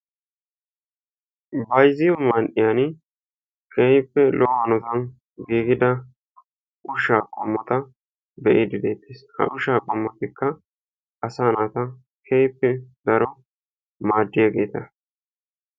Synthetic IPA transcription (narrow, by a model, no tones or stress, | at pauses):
bɐjzɪjɔmɐnʔɪjan | kʰejpːɛlʔɔhɐnɔt̪ɐn | ɡiːɡɪd̪ɐ | ʔʊʃaːkʼɔmːɔt̪ɐ | bɛʔɪd̪ɪd̪eːt̪ːeːshɐ̰ʔʊʃaːkʼɔmːɔt̪ɪkːɐ | ʔɐsaːnaːt̪ɐ | kʰejpːɛd̪ɐɾɔ | maːd̪ːɪjaːɡe̞ːt̪ɐ